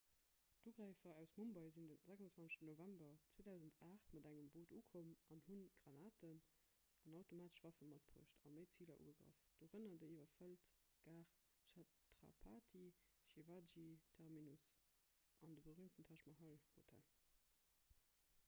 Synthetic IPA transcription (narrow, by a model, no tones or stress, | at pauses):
d̥uːɡʁæɪfɐæʊsmumbɑɪzindənzæɡzɑnt͡svɑnə̥ʃtənovæmbɐt͡sweːdæʊzəntʰaːχtmɑdæŋəmboːduːkʰomʔɑnhunɡ̥ʁɑnaːtən | ʔɑnɑʊtomaːtə̥ʃv̥ɑfəmɑt̚pʰʁṵəʃtɑ̰məɪt͡siːlɐ̰ʔṵːɡəɡʁə̰fd̥oːʁənɐdəiːvɐfəlt | ɡ̥aːχ | ʃɑ | tʁɑ̰pʰatʰiʃevad͡ʒitʰɛʁminus | ʔɑndəbəʁyːmtəntʰɑʃmɑɦɑlhotʰæ̰l